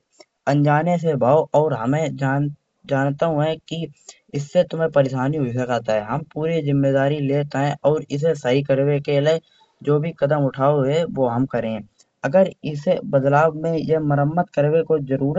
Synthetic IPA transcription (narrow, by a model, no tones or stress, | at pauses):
ə̃nd͡ʒaːnes̬ebʱaːoʔɔːɾɦəmẽd͡ʒa | d͡ʒaːnt̪aɦõɦɛ̃ki | ɪsːet̪ʊmẽpəɾeʃaːniɦoisɐkaːt̪aɦɛɦɐmpuːɾizɪmːeːd̪aːɾileːt̪aɦɛ̃ʔɔːɾɪs̬esəɦikəɾwekele | d͡ʒoːbʱikəd̪əmʊʈʰaːoɦɛʋoːɦəmkəɾẽɦɛ̃ | əɡəɾɪsebəd̪laːbmẽjeməɾəmːət̪kəɾwekozəɾuːɾ